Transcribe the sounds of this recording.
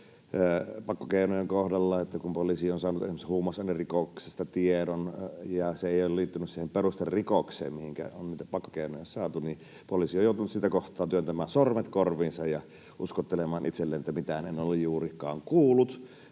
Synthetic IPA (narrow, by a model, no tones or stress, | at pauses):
pɑkːokeˑinojeŋkohdɑlːɑet̪ːækumpolisionsɑːnut̪esimesehuːmɑsɑˑnerrikoksest̪ɑt̪iedonjɑseeˑijolliːt̪ːynyssiːhemperust̪errikoksḛːmmihiŋkæ̰onniːt̪æpɑkːo̥keinojɑsɑːt̪uni | polisiojoˑut̪unut̪sit̪ækoht̪ˑɑːnt̪yønt̪æmæːnsormet̪korʋiːnsɑjjɑ | ʔuskot̪ːelemˑɑːnʔit̪selːeːnet̪ːæmit̪ænenolːejjuːrikˑɑ̰ːŋkuːlːˑut̪